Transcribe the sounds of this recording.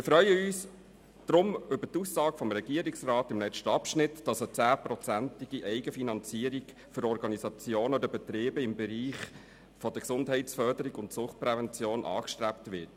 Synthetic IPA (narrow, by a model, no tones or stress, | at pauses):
ɪfɾœʏəyːs | d̪̥ɾʊmʏbətuːsːɑːɡfɔmɾɛɡiəɾiksrɑːtɪmlɛʃtəɑpʃnɪtd̥ɑsət͡sæːpɾɔt͡sæntiɡ̥iʔɛɪɡəfinɑnt͡siːəɾiɡ | fʏɾɔɾɡɑnisɑt͡sjoːnɔd̪əb̥ɛt̪ɾeːbəɪmbɛɾiːχ | fɔd̥̪əksʊndɦɛɪtsfœɾdəɾiɡʊntsʊχt̚pɾɛvɛnt͡sjoːnʔɑ̰ːkʃtɾæptʋɪt